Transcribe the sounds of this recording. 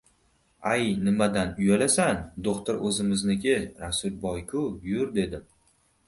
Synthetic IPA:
ajnɪmad̪anʊjalasand̪oqt̪ʊɾɵzɪmɪznɪɡʲɪɾasʊɾbɒjkʰʊjʊɾd̪e̞d̪ɪm

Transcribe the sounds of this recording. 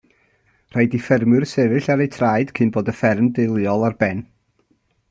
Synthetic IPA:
r̥ajdifɛrmɨrsɛvɨɬaɾejtʰrajd̥kʰɨnboːdəfɛrmdɪlˠjɔlˠarbɛn

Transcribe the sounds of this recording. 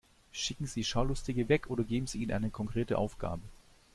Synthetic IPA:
ʃɪkŋ̩ziːʃaʊlʊstɪɡəvɛkʔoːdɐɡeːbm̩ziːiːnʔa̰ɪnəkʰɔŋkʁ̥eːtə̰ʔa̰ʊfɡ̥a̰ːbə

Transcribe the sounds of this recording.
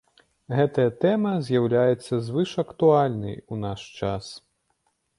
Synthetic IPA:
ɣɛt̪ɐjɐt̪ɛmɐzʲjawlʲajɛt̪sːɐzvɨʂɐkt̪ualʲnɨ̰junaʂt͡ʂas

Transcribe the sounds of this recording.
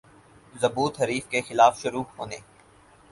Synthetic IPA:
zɐbuːt̪ɦɐɾiːfkexɪlaːfʃʊɾuːɦoːnḛː

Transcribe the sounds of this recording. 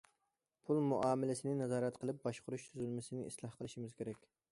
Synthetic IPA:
pʰulˠmuʔɑːmɪlɪsɪnɪnɛzɑːɾɛt̪qʰəlˠɨp̚bɑʃqʰʊɾuʃt̪ʰyzylmɪsɪnɪŋḭslˠɑhqʰəlˠɨʃimɪz̥kʲʰeɾɛkʲ

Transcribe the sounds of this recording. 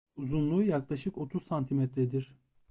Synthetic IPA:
uzunlˠuːjaklˠaʃɯko̞t̪ʰuzsant̪ʰimɛt̪ɾɛd̪iɾ̥

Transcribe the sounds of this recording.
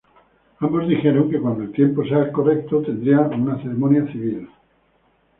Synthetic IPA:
ãmbo̞zðixe̞ɾoŋke̞kwand̪oelt̪je̞mpo̞sako̞rek̚t̪ot̪e̞nd̪ɾiaunaθe̞ɾemõ̞njaθiβ̞il

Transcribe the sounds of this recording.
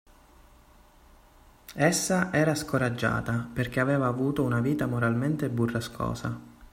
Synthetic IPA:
esːaʔɛːɾaskoɾad͡ʒːa̰ːt̪aperk̟eavɛːvaːvuːt̪ounaviːt̪amoɾalment̪eburːaskʰɔ̰ːsa

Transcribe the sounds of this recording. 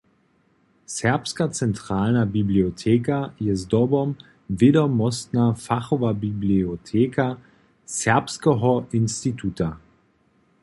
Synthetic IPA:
sɛɐpskat͡sɛntʁ̥aːlnabibliotʰeːkajɛzdɔbɔm | vɪdɔmɔstnafaχɔvabibliotʰeːkʰa | sɛɐpskəɦɔʔɪnstitʰuta

